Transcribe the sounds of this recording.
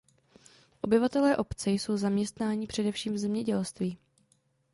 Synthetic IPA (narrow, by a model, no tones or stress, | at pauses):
ʔo̞bɪvat̪ɛlɛːʔo̞pt͡sɛjso̞wzamɲɛst̪naːɲipr̝̥ɛdɛfʃiːmvzɛmɲɛɟɛlst̪viː